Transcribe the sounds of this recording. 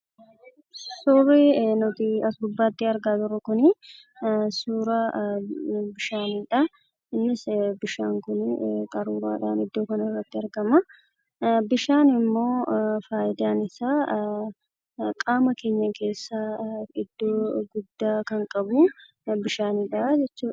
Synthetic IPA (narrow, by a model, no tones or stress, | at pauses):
sɔːreːnɔt̪ɪɐsbʊbːaːt̪ːiɐɾɡaːt̪ʊɾɔkʊnɪ | suːɾɐ | bɪʃaːnɪᶑɐ | ɪnːɪsbɪʃaːŋkʊnkʼɐɾuːɾa̰ːᶑa̰ːnɪd̪ːo̞ːkɐnɐɪrːɐt̪ːɪɐɾɡɐmɐ | bɪʃaːnɪmːo̞ːfaːjɪd̪aːnɪsaː | kʼaːmɐke̞ːɲːɐke̞ːsːaɪd̪ːoːɡʊd̪ːaːkɐŋkʼɐbuː | bɪʃaːniːᶑɐd͡ʒɛt͡ʃːuː